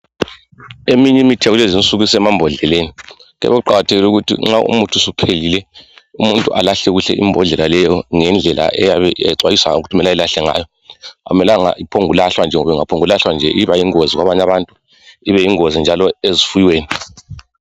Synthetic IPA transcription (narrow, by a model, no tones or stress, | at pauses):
emiɲɛmitʰijaɣulezint͡sʼuɣisɛmambʱɔɮɛleːniɣɛ̰βeɣuǃaɣatʰeɣiluɣutʰḭŋ͡ǁaʔṵmutʰusupʰelilɛumuntʼuʔalaɬɛɣuɬɛ̰ʔḭmbʱɔɮɛlalɛjɔŋɛnd͡ɮʱɛlʔa̰ʔɛjaβɛ̰ǀwajisa̰ŋauɣ̬utʰumɛlailaɬɛŋa̰ːjɔ | a̰umɛlaŋa̰ipʰoŋulaɬwand͡ʒʱɛŋɔβɛŋapʰoŋulaɬwand͡ʒʱɛʔiβajiŋoziɣwaβaɲaβantʼu | iβɛiŋozind͡ʒʱalɔezifujiweːni